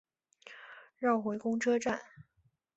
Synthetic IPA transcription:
ɻɑ˥˩ʊxwe˧˥ɪkʊ˥ŋʈ͡ʂʰɤ˥ʈ͡ʂa˥˩n

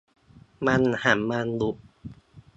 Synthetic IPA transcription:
ma˧nha˩˦mːa˧nlu˨˦ʔ̚

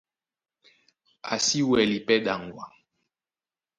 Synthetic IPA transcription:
a̰˨si˦wɛ˨li˨pɛ˦ɗa˨ŋ˨ɡwa̰˨

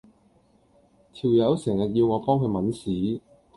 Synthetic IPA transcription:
t̪ʰiː˨˩wjɐ˨˥wsɛː˨˩ŋjɐ˨t̚ji˧wŋɔː˨˧pɔː˥ŋkʰɵ˧ɥmɐ˨˥nsiː˨˥

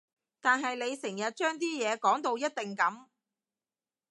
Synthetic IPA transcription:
t̪aː˨nɦɐ˨jne˨˧jsɪ˨˩ŋjɐ˨t̚t͡ʃœː˥ŋt̪iː˥jɛː˨˧kɔː˨˥ŋt̪o˧wjɐ˥t̚t̪ɪ˨ŋkɐ˨˥m

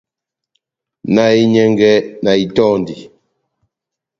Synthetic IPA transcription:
na˦i˦ɲɛ˦ŋɡɛ˦na˨i˨tɔ˦˨ndi˨

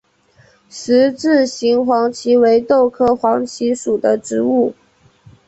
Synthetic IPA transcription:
ʂɻ̩˧˥ʈ͡ʂɻ̩˥˩ɕi˧˥ŋxwɑ˧˥ŋt͡ɕʰi˧˥we˧˥ɪt̪o˥˧ʊkʰɤ˥˩xwɑ˧˥ŋt͡ɕʰi˧˥ʂu˨˩d̪ə˦ʈ͡ʂɻ̩˧˥u˥˩

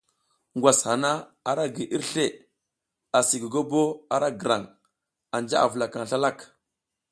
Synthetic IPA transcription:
ŋɡwa˨sha˨na˦a˨ɾa˦ɡi˨ʔi˦ɾɬe˦˨ | a˨si˨ɡə˨ɡo˦bo˦a˨ɾa˦ɡə˨ɾa˨ŋ | a˨nd͡ʒa̰˦ʔa̰˨vu˨la˨ka˨ŋɬa˦la˦˨k

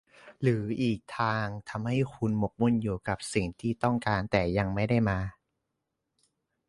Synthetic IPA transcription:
ɾɯː˩˦ʔiː˨˩k̚t̪ʰaː˧ŋt̪ʰa˧mha˥˩jkʰu˧nmo˨˩k̚mu˥˩˨njuː˨˩ka˨˩p̚si˨˩ŋt̪ʰiː˥˩t̪ɔ˥˩ŋkaː˧nt̪ɛː˨˩ja˧ŋma˥˩jda˥˩jmaː˧

